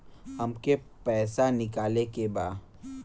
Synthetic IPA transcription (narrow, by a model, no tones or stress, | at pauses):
ɦɐmke | pɛːsanɪkaːlekebaː